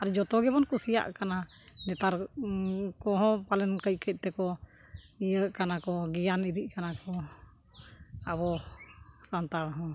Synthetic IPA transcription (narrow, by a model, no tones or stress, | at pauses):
aɾd͡ʒɔt̪ɔɡɛbɔnkɔsija̰ʔkananɛt̪aɾ | kɔɦɔ̃palɛnkəc̚kʰɛc̚t̪ɛkɔ | ijəʔkanakɔɡijaniɾiʔ̚kanakɔ | abɔ | sant̪aɽɦɔ̃